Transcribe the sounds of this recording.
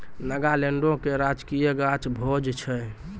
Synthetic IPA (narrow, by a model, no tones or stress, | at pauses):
nəɡaleɳɖõkeɾad͡ʒkijəɡat͡ʃbʱod͡ʒt͡ʃʰɛ